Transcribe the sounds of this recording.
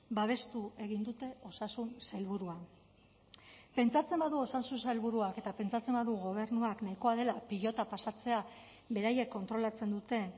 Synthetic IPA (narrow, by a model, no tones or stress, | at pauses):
baβ̞e̞st̪uʔe̞ɣ̞ind̪ut̪e̞o̞sasunselβuɾua | pe̞nt͡sat͡se̞mbaðuo̞sansunsalβuɾuake̞t̪ape̞nt͡sat͡se̞mbaðuɣo̞β̞e̞ɾnuaknajko̞aðe̞lapiʎo̞t̪apasat͡se̞a | βe̞ɾaje̞kːo̞nt̪ɾo̞lat͡se̞nd̪ut̪e̞